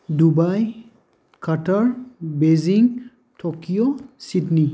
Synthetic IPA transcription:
dubaj | kɐʈəɹbeziŋ | tʰokijositni

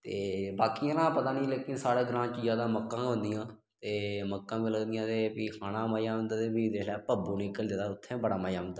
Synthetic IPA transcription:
t̪eːbaːkijãːnãːpət̪aːnĩːleːkɪnsaːɽeːɡɾãːt͡ʃd͡ʒaːd̪ãːməkːãːɦʊ̃nd̪ɪjãː | t̪eːməkːãːmiːləɡd̪ɪjãːt̪eːpikʰaːnãːmaːjaːʊ̃nd̪aːt̪eːbid̪eːlɛːpəbuːnɪkːəld̪ed̪aːʊt̪ʰːẽːbəɽa̰ːmaːjãːnd̪aː

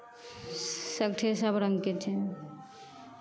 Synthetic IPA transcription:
sək̚ʈʰesəbɾəŋɡket͡ʃʰẽ

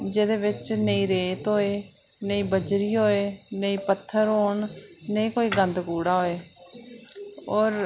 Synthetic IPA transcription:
d͡ʒeːd̪eːbɪt͡ʃnəĩːɾeːt̪ɦoːeː | nəĩːbəd͡ʒɾiːɦoːeː | nəĩːpət̪ʰːəɾɦoːɳ | nəĩːkoːiːɡənd̪kuːɽaːɦoːeː | ɔːɾ

